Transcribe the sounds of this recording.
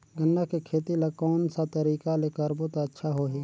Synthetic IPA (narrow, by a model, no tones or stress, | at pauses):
ɡənːakekʰeːt̪ilakɔːnsat̪əɾiːkaleːkəɾbʊt̪ətːʃʰaɦoɦiː